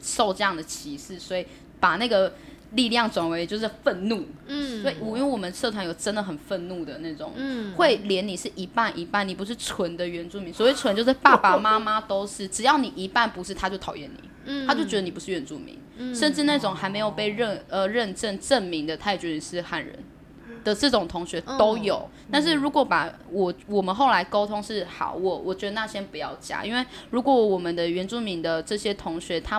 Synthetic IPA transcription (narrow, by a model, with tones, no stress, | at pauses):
ʂo˥˧ʊʈ͡ʂɤ˧jɑ˥˩ŋd̪ə˩t͡ɕʰi˧˥ʂɻ̩˥˩swɔ˧˥i˨˩ | pa˨˩na˥˩ɡə˩ | li˥˧ljɑ˥˩ŋt͡swa˧˥nwe˧˥ɪt͡ɕjo˥˧ʊʂ̬ɻ̩˥˩fə˥˧nnu˥˨˩swɔ˧˥i˨˩u˨˩i˥we˥˩wɔ˨˩mə˨˦nʂɤ˥˩t̪ʰwa˧˥njo˨˩ʊʈ͡ʂə˦nd̪ə˨xə˨˩nfə˥˧nnu˥˩d̪ə˩na˥˩ɪʈ͡ʂʊ̰˨˩˦ŋxwe˥˩ɪljɛ˧˥ni˨˩ʂɻ̩˥˩ʔi˧˥pa˥˩nʔi˧˥pa˥˩ni˨˩pu˧˥ʂ̬ɻ̩˥˩t͡sʰwə˧˦nd̪ə˨ɥɛ˧˥nt͡su˥˩mi˧˦ŋswwe˥˩ɪʈ͡ʂʰwə˧˦nt͡ɕjo˥˧ʊʂɻ̩˥˩pa˥˩pa˨˩ma˥ma˦t̪o˥ʊʂɻ̩˥˩ʈ͡ʂɻ̩˨˩jɑ˥˩ʊni˨˩ʔi˧˥pa˥˩npu˧˥ʂɻ̩˥˩t̪ʰa˥t͡ɕjo˥˩t̪ʰɑ˨˩jɛ˥˨nḭ˨˩˦t̪ʰa˥t͡ɕjo˥˩ʊt͡ɕɥɛ˧˥d̪ə˧ni˨pu˦ʂ̩˥˩ɥɛ˧˦nt͡sṵ˥˩mḭ˨˥˦ŋʂə˥˧nʈ͡ʂɻ̩˥˧na˥˩ʈ͡ʂʊ˨˩ŋxa˧˥ɪme˧˥ɪjo˨˩ʊpe˥˧ɪɻə˥˨nə˨ɻə˥˧nʈ͡ʂə˥˧nʈ͡ʂə˥˩nmi˧˥ŋd̪ə˨t̪ʰa˥˧ɛ˨˩t͡ɕɥɛ˥˩i˨˩ʂɻ̩˥˧xa˥˩nɻə̰˧˦n | d̪̥ə˨ʈ͡ʂɤ˥˩ʈ͡ʂʊ˨˩ŋt̪ʰʊ˧˥ŋɕɥɛ˧˥t̪o˥ʊjo˨˩ʊ | t̪a˥˧nʂ̬ɻ̩˥˩ɻu˧˥kwɔ˧˥pa˨˩wɔ˨˩wɔ˨˩mə˨˦nxo˥˩ʊla˧˥ɪko˥ʊt̪ʰʊ˥ŋʂɻ̩˥˩xa̰˨˩ʊwɔ˥˩wɔ˨˩t͡ɕɥɛ˧˥d̪ə˨˧na˥˧˩ɕjɛ˥npu˧˥jɑ˥˩ʊt͡ɕja̰˥˦ʔḭ˥nwe˥˩ɪɻu˧˥kwɔ˨˧˦wɔ˨˩mə˨nd̪ə˦ɥɛ˧˥nt͡su˥˩mi˧˥ŋd̪ə˨ʈ͡ʂɤ˥˩ɕjɛ˥t̪ʰʊ˧˥ŋɕɥɛ˧˥t̪ʰa˥